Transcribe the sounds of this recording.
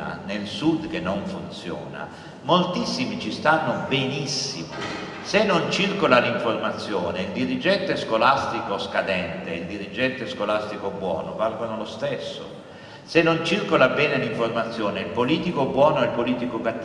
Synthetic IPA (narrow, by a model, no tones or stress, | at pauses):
a̰nelsud̪k̟enːoɱfunt̪sjɔ̰ːna̰ | molt̪isːimit͡ʃist̪anːobenisːimo̰ | senːont͡ʃirkolaliɱformat̪sːjɔːneild̪iɾid͡ʒɛnt̪eɛskolast̪ikoskad̪ɛnt̪eild̪iɾid͡ʒɛnt̪eskolast̪ikobwɔ̰ːno̰valɡonolost̪esːo̰ | senːont͡ʃirkolabɛːneliɱformat̪sːjoːneilpoliːt̪ikobwɔːnoɛlpoliːt̪ikokat̪ː